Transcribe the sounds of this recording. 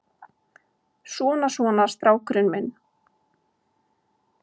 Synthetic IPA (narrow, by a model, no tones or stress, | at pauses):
sɔːnasvɔːnaɾ̥st̪ɾaːwkɾʏnmɪn